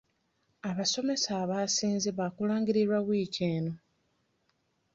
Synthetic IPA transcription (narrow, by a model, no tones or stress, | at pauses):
aβaso̞me̞saːβaːsiːnziβakulaːŋɡiɾiɾwaβwiːceːno̞